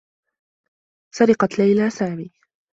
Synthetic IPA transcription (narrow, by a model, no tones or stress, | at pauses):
sɑɾɪqɑt̪lajlaːsaːʕwiː